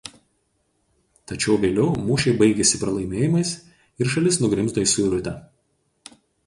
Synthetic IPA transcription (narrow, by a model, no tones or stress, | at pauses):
t̪ɐt͡ʃʲɛʊʋʲeːlʲɛʊmuːʃʲɛɪbɐɪɡʲɛsʲɪpɾɐlˠɐɪmʲeːjɪmɐɪs | ɪɾʃɐlʲɪsnʊɡɾʲɪmzd̪oːiˑsʊɪɾʊt̪ʲɛ